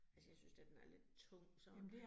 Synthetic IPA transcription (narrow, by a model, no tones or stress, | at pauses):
ælsəjäɪsynsd̥ed̥enæɐle̝d̥̚t͡sʰɔ̽ŋ̰sɒ̽